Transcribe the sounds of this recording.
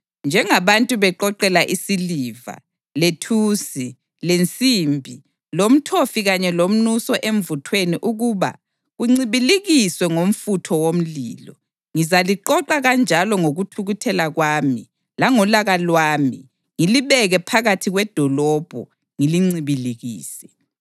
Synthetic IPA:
nd͡ʒʱɛŋaβantʼuβɛǃɔǃɛlaʔisiliːva̰ | letʰuːsi | lent͡sʼiːmbʱi | lom̩tʰofiɣaɲɛlom̩nusɔʔeɱ̩vutʰweniʔuɣuːβa̰ | ɣuŋ͡ǀiβiliɣiswɛŋom̩futʰɔwom̩lḭːlɔ | ŋizaliǃɔǃaɣand͡ʒʱalɔŋoɣutʰuɣutʰɛlaɣwaːmi | laŋɔlaɣalwaːmi | ŋiliβɛɣɛpʰaɣatʰiɣwɛd̥ʱɔlɔb̥ʱɔ̰ | ŋiliŋ͡ǀiβileɣḭːsɛ

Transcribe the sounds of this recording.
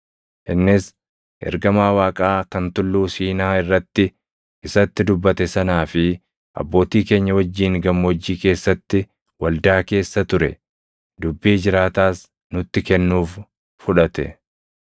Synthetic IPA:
ʔɪnːɪs | ʔɛ̰ɾɡɐmaːwaːkʼaːkɐnt̪ʊlːuːsiːnaːɪrːɐt̪ːɪ | ʔɪsɐt̪ːɪd̪ʊbːɐt̪ɛsɐnaːfɪ | ʔɐ̰bːo̞ːt̪iːke̞ːɲːɐwɐd͡ʒːiːŋɡɐmːwd͡ʒːiːke̞ːsːɐt̪ːɪ | wɐld̪aːke̞ːsːɐt̪ʊɾɛ | d̪ʊbːiːd͡ʒɪɾaːt̪aːs | nʊt̪ːɪkɛnːuːf | fʊᶑɐt̪ɛ

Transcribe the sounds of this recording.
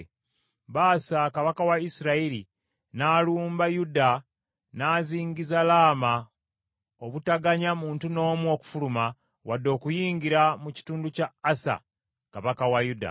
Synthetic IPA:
βaːsakaβakawaisiɾaiɾi | naːluːmbajuda | naːziːɲɡizalaːma | oβutaɡaɲamuːntuno̞ːmwo̞ku̥fuluma | wadːo̞ːkujiːŋɡiɾamuci̥tuːnducaːsa̰ | kaβakawajuda̰

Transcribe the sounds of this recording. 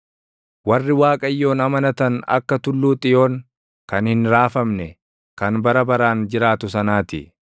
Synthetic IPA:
wɐrːɪwaːkʼɐjːo̞ːnɐmɐnɐt̪ɐnɐ̰kːɐt̪ʊlːuːt̪ʼɪjo̞ːn | kɐnhɪnɾaːfɐmnɛ | kɐnbɐɾɐbɐɾaːnd͡ʒɪɾaːt̪ʊsɐnaːt̪ɪ̰

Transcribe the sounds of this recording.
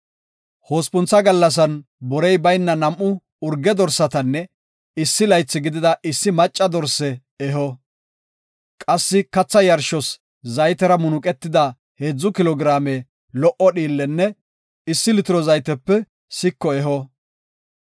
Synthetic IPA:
ho̞ːspʊnt͡sːɐɡɐlːɐs̬ɐn | bɔɾɛjbɐjnːɐnɐmʔʊ | ʊɾɡːɛd̪ɔɾsːɐt̪ɐnːɛ | ɪsːɪlɐjt͡sːɪɡɪd̪ɪd̪ɐʔɪsːɪmɐt͡ʃʼːɐd̪ɔɾsɛ | ɛɦɔ | kʼɐsːɪkɐt͡sːɐjɐɾʃɔs | zɐjt̪ɛɾɐmʊnʊkʼɛt̪ːɪd̪ɐ | heːd͡zːʊkɪlɔɡɾaːme | lɔʔɔɗiːlːɛnːɛ | ɪsːɪlɪt̪ɪɾɔzɐjt̪ɛpːɛ | sɪkːɔɛɦɔ

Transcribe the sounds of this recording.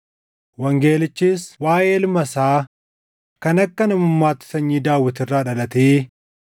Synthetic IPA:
wɐŋɡe̞ːlɪt͡ʃːiːswaːjeɪlmɐsaː | kɐnɐkːɐnɐmʊmːaːt̪ɪ̥sɐɲːiːd̪aːwːɪt̪ɪrːaːᶑɐlɐt̪eː

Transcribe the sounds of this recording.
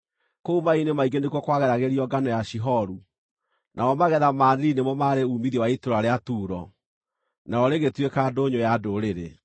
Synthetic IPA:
koumainemaiɡenekwɔkwaɣɛɾaɣeɾiɔɡanɔjaʃiɦɔɾu | nʔaɔmaɣɛðamaːnɾinemɔmaɾeuːmiðjiwaitoɾaɾeatuːɾɔ | naɔɾeɣetwekaːdoɲojadoɾeɾe

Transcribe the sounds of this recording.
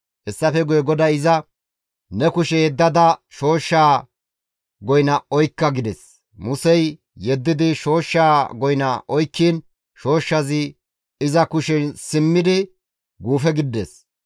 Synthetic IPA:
ʔɛsːɐfɛɡʊjɛɡɔd̪ɐɪzɐ | nɛkʊʃɛjɛd̪ːɐd̪ɐʃo̞ːʃːaː | ɡɔjnɐɔjkːɐɡɪd̪ɛs | mʊsɛjː | ɛd̪ːɪd̪ɪʃo̞ːʃːaːɡɔjnɐ̰ʔɔjkːiːn | ʃo̞ːʃːɐzɪ | ɪzɐkʊʃɛnsɪmːɪd̪ɪ | ɡuːfɛɡɪd̪ːḛs

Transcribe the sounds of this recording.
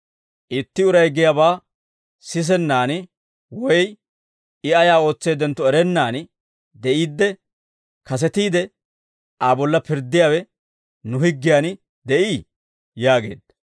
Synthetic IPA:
ʔɪt̪ːɪʊɾɐjɡɪjaːbaː | sɪs̬ɛnːaːn | wɔj | ɪɐjaːo̞ːt͡sːeːd̪ɛnt̪ːɔɛɾɛnːaːn | d̪ɛʔiːd̪ːɛ | kɐs̬ɛt̪iːd̪ɛ | ʔabɔlːɐpɪɾd̪ːɪjaːwɛ | nʊhɪɡːɪjaːn | d̪ɛʔiː | jaːɡe̞̰ːd̪ːɐ̥

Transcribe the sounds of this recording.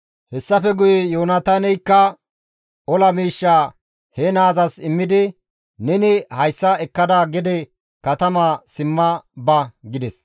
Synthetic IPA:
hɛsːɐfɛɡʊjɛjoːnɐt̪anɛjkːɐ | ɔlɐmiːʃːaː | hɛnaːzɐsɪmːɪd̪ɪ | nɛnɪhɐjsːɐɛkːɐd̪aːɡɛd̪ɛ | kɐt̪ɐmasɪmːɐbɐɡɪd̪ɛs

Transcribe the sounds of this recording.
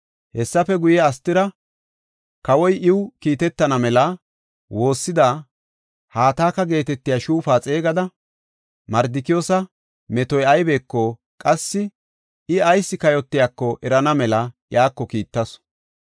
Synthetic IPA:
hɛsːɐfɛɡʊjɛɐst̪ːɪɾɐ | kɐwɔjɪwkiːt̪ɛt̪ːɐnɐmɛlɐ | wo̞ːsːɪd̪aː | haːt̪aːkːɐɡe̞ːt̪ɛt̪ːɪjaʃuːfaːt͡sʼe̞ːɡɐd̪ɐ | mɐɾd̪ɪkɪjːsɐ | mɛt̪ɔjɐjbe̞ːkːɔ | kʼɐsːɪ | ɪɐjsːɪkɐjɔt̪ːɪjakːɔʔɛɾɐnɐmɛlɐjaːkːɔkiːt̪ːɐs

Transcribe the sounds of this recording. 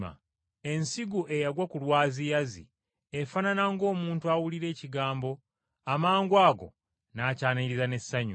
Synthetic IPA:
a̰ | e̞nsiɡuʔe̞jaɡwakulwaːzijazḭ | efananaŋɡo̞ːmuːntuawuliɾe̞ːciɡaːmbo̞ | amaːŋɡwaːɡo̞̰ | nacaːniiɾizane̞sːaɲu

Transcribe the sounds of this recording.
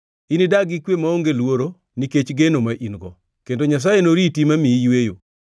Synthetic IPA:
inidaɡikwemaoŋɡelwoɾo | niket͡ʃɡenomaʔinɡɔ | kendoɲas̬ajenoɾitimamijwejo̰

